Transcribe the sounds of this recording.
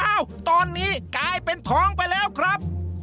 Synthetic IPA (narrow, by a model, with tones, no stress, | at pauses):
a˧˥˩wt̪ɔː˧nːiː˦˥˩klaː˧jpe˧nt̪ʰɔː˦˥ŋpa˧jlɛː˦˥˩wkʰɾa˦˥p̚